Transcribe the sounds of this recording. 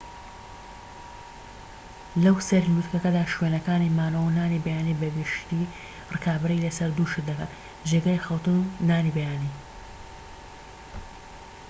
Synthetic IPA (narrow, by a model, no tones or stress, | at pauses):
lɐwsɐɾlut̪kɐkɐd̪aːʃwenɐkaːnimaːnɐwunaːnibɐjaːnibɐɡɨʃt̪iː | rɨkaːbɨɾilɐsɐɾd̪uːʃɨt̪̚d̪ɐka̰n | ʒeɡaːjxɐlt̪ɨnunaːnibɐjaːniː